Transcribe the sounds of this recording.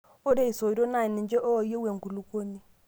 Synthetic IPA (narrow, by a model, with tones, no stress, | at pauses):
o˦ɾe˦i˨so˨i˨ɾo˦na˨i˨nɪ˨ɲd͡ʒe˦ʔo˦ɔ˨je˦we˨ŋ˨ku˨lu˦ko˦ni˦